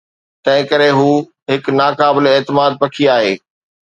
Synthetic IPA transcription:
t̪ɐ̃ɦɪ̃kɐɾeɦuː | ɦɪknaːkaːbɪleeːt̪ɪmaːd̪̚pɐkʰiaːɦeː

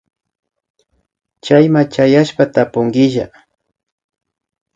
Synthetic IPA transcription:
t͡ʃajmat͡ʃajaʃpat̪apʊŋɡɪʒa̰

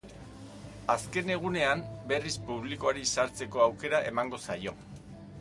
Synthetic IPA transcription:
aske̞ne̞ɣ̞une̞ambe̞rispuβ̞liko̞aɾisaɾt͡se̞ko̞awke̞ɾaʔe̞̰maŋɡo̞sajo̞

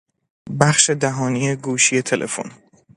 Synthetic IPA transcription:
bæχʃe̞d̪æɦɒːnije̞ɡuːʃije̞t̪ʰe̞lʔḛfo̰n

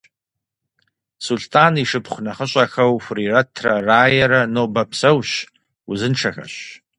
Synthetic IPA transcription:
sultʼaniʂɨpʰχʷnaχəɕʷʼaxawfriratʰraraːjaɾanobapʰsɐwʃ | uzɨnʈ͡ʂʰaxa̰ɕ

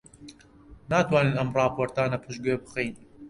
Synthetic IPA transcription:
naːt̪ʰwaːneːnɐmrˤɑːpʰoːɾt̪aːnɐpʰɨʃɡebɨxejn

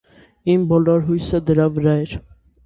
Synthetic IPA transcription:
imbɔlɔɾɦujsəd̪əɾɑvəɾɑɛɾ

